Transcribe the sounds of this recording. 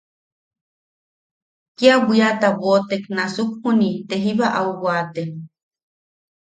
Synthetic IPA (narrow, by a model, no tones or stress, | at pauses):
kiaβiat̪aβot̪eknasukhunit̪eɦiβaʔauwwat̪e